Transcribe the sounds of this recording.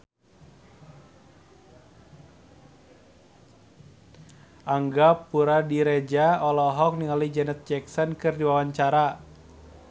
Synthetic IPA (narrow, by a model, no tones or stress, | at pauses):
ʔaŋɡapuɾadiɾed͡ʒaɔlɔɦɔk̚niŋalid͡ʒɛnɛt̪̚d͡ʒɛksɔnkɨrdiwawaɲt͡ʃaɾa